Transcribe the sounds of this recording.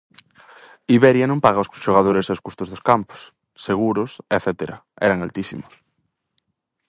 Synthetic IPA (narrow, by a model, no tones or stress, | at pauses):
iβɛɾjanõmpaɣ̞aoskoʃoɣ̞að̞oɾesaosku̥st̪ozðoskampo̥s | seɣ̞uɾoseθɛt̪eɾaɛ̰ɾaŋa̰lt̪isḭmo̥s